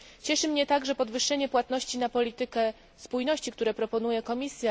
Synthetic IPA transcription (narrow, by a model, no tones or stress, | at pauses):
t͡ɕɛʂɘmɲɛt̪aɡʐɛpɔd̪vɘʂːɛɲɛpwat̪nɔɕt͡ɕinapɔlʲit̪ɘkɛ | spujnɔɕt͡ɕikt̪uɾɛpɾɔpɔn̪ujɛkɔmʲisʲja